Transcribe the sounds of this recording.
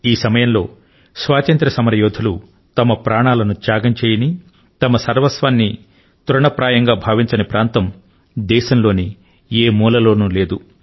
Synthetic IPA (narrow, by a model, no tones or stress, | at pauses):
iːsɐmɐjɐmlo̞ː | sʋaːt͡ʃɐnt̪ɾɐsɐmɐɾɐjɔːd̪ʱɐlu | t̪ɐmɐpɾʔaːɳaːlɐnut͡ʃ̪jaːɡɐɲt͡ʃeːjɐni | t̪ɐmɐsɐɾʋɐsʋaːnːi | t̪uɾɐɳɐpɾaːjɐŋɡaːbʱaːʋiɲt͡ʃɐnɐpɾʔaːnt̪ɐm | d̪ɛːʃɐmlo̞ːni | eːmuːlɐlo̞ːnuleːd̪u